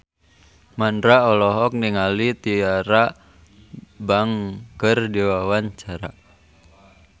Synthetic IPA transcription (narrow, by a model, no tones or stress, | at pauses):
mandɾaɔlɔɦɔk̚niŋalit̪iaɾa | baŋkərdiwawaɲt͡ʃaɾa̰